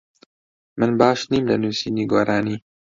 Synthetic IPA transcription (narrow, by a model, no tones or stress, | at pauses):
mɨnbɑːʃniːmlɐnuːsiːniɡoːɾaːniː